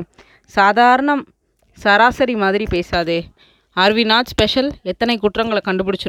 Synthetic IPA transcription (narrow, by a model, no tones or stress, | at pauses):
saːðaːɾɐɳɐm | sɐɾaːsɐɾimaːðɪɾipeːsaːðɯ | ɐɾʋɪnaːd͡ʒspɛʂɐlɛt̪ːɐnɐɪkːʊʈrɐŋɡɐɭɐkːɐɳɖɯpɐɽɪt͡ʃː